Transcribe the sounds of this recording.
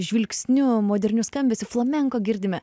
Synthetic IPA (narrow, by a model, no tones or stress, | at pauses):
ʒʲʋʲɪlʲksʲnʲʊmoːd̪ʲɛɾʲnʲʊskɐmʲbʲɛsʲɪflˠɐmʲɛŋkoːɡʲɪɾʲd̪ʲɪmʲɛ